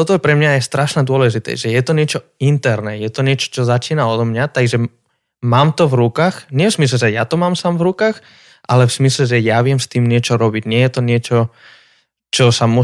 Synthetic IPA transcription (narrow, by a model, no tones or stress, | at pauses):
t̪ɔt̪ɔjɛpɾɛmɲaɛjst̪ɾaʃnad̪ʊɔlɛʒit̪ɛ̰ʒɛjɛt̪ɔɲɪɛt͡ʃɔ | int̪ɛɾnɛjɛt̪ɔɲɪɛt͡ʃɔ̥t͡ʃɔzat͡ʃiːnaɔd̪mɲat̪aɡʒɛ | maːmt̪ɔvɾukaːxɲɛfzmis̬lɛʒɛjat̪ɔmaːmsaːmvɾukaːx | ʔalɛvz̥mislɛʒɛjaʋɪɛmst̪iːmɲɪɛt͡ʃɔɾɔbiɟɲɪɛjɛt̪ɔɲɪɛt͡ʃɔ | t͡ʃɔsamu